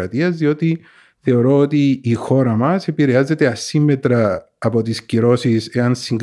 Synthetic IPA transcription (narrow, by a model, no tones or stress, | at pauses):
ɐt̪iɐzðio̞t̪i | θe̞o̞ɾo̞ot̪iːxo̞ɾɐmɐse̞piɾe̞azːe̞t̪e̞ɐsimːe̞t̪ɾɐː | po̞t̪isciɾo̞sise̞ɐnsiŋɡ